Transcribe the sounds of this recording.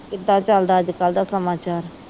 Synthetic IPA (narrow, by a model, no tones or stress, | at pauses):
kɪd̪ːãːt͡ʃəld̪aːd͡ʒkəld̪aːsəmaːt͡ʃaːɾ